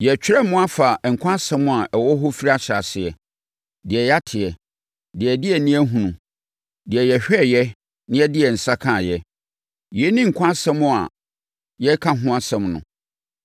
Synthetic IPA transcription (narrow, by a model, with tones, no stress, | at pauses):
jɛ˨t͡ɕᶣɾɛ˦mʊ̃˦a˦fa˨ŋ̩˨kʷʰã˦sɛ̃˦mʊ̃˦a˨ʔɛ˨wɔ˦ɦʊ˦fi˦ɾi˦a˦ɕa˨sɪ˨ɛ˨ | dɪ˨ɛ˨jɛ˦a˦tʰɪ˨ɛ˨ | dɪ˨ɛ˨dɪ˦ɛ˨nĩ˦æ˦ɦũ˨nũ˨ | dɪ˨ɛ˨jɛ˨ɕᶣɛ˦˨jɛ˦ | nɪ̃˦ɛ˦dɪ˦ɛ˨n̩˨sa˦kʰã˦˨jɛ˦ | jɛ˨˦nĩ˦ŋ̩˨kʷʰã˦sɛ̃˦mʊ̃˦a̰˨ | jɛ˦kʰã˦ɦʊ̃˦ã˦sɛ̃˦mnʊ̰̃˨